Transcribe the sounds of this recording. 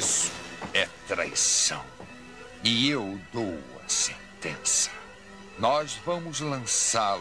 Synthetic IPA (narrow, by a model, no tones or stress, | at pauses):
sʊ̥ɛt̪ɾa̰jsɐ̰̃w̃ | ɪewd̪owɐ̰sẽnt̪ẽsɐ̥ | nɔzvɐ̃mʊzlɐ̃sal